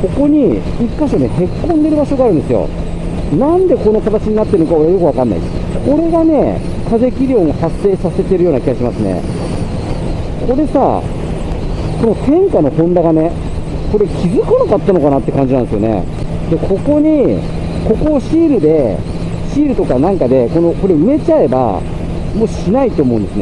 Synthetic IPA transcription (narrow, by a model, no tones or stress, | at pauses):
ko̞ko̞ɲ̟i | ikːaɕnehe̞kːõnd̪e̞ɾɯ̟baɕo̞ɡaːɾɯ̃nd̪esɨjo̞̰ | nãnd̪e̞ko̞no̞kat̪at͡ɕiɲ̟inat̪ːe̞ɾɯnokao̞ɾeajo̞kɯakãnːa̰ḭko̞ɾe̞ɡane̞ | kʰaze̞kʲiɾʲõ̞ŋ̃ahasːe̞ːsase̞t̪e̞ɾɯ̟jo̞ːnakʲiɡaɕimasɨnḛ | ko̞ɾe̞sa̰ | ko̞no̞t̪ʰẽ̞ŋkano̞hõ̞nd̪aɡane | ko̞ɾe̞kʲizɨkɯnakat̪ːano̞kanat̪ːe̞kãɲ̟d͡ʑinãnd̪sjone̞̰ | d̪e̞kʰo̞ko̞ɲ̟i | ko̞ko̞ːɕiːɾɯ̟d̪e̞ | ɕiːɾɯ̟t̪o̞kanãŋkad̪e̞ko̞no̞ko̞ɾe̞ɯ̟me̞t͡ɕae̞ba̰ | mo̞ːɕinait̪ːoːmo̞ɯ̟̃nd̪e̞sɨne